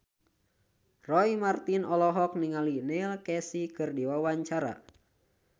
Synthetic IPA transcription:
rɔimart̪inɔlɔɦɔk̚niŋalinilkɛsikɨrdiwawaɲt͡ʃaɾa̰

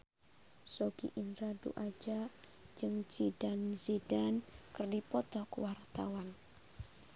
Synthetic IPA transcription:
soɡḭʔindɾadṵʔad͡ʒa | d͡ʒɨŋt͡ʃidanzidankɨrdipɔt̪ɔkəwart̪a̰wan

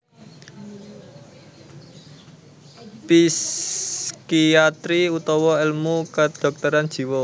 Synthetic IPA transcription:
pis | kiat̪ɾiut̪ɔwɔɪlmukəd̪̥ɔ̤k̚t̪əɾand̥ʒ̥i̤wɔ

